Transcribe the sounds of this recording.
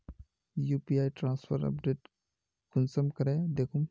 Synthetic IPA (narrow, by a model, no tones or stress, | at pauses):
juːpiaːiʈɾãːnspʰə̰ɾɐ̰pɖeːʈ | kʊnsəmkɐɾẽd̪eːkʰum